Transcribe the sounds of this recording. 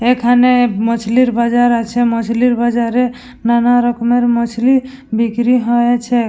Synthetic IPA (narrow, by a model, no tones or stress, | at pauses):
ekʰanemɔt͡ʃʰliɾbad͡ʒaɾat͡ʃʰemɔt͡ʃʰliɾbad͡ʒaɾe | nanaɾɔkmeɾmɔt͡ʃʰli | bikɾiɦɔjet͡ʃʰe